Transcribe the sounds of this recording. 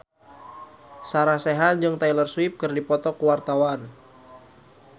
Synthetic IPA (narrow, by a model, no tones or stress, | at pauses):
saɾasɛɦand͡ʒɨŋt̪ajlərswɪp̚kɨrdipɔt̪ɔkuwart̪awan